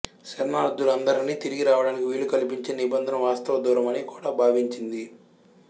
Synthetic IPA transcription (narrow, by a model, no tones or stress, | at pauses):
t͡ʃɛɾnaːɾud̪ːulɐnd̪ɐɾiniːt̪iɾiɡiɾaːʋɐɽaːnikiʋiːɭlukɐlipiɲt͡ʃeːnibɐnd̪ʱɐnɐʋaːst̪ɐʋɐd̪uːɾɐmɐnikuːɽaːbʱaːʋiɲt͡ʃind̪i